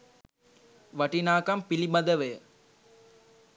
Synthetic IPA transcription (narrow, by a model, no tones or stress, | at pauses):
ʋɐʈinaːkɐmpilibɐd̪əʋejə